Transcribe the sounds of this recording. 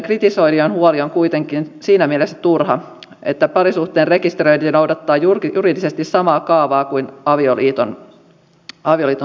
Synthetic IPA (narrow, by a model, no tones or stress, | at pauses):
ŋkrit̪iso̞idionhuolioŋkuit̪eŋkinsiːnæmielesːæ̥t̪urhɑ | ʔe̞t̪ːæpɑɾisuht̪e̞ːnre̞kist̪eɾøjninowdɑt̪ːɑːjurjuɾidisest̪issɑmɑːkɑːʋɑːkuinɑʋioliːt̪on | ɑʋioliːt̪o